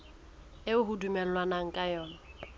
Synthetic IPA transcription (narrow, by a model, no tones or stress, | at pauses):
ɪʊɦudumɛl̩lwanaŋ̩kʼajɔːna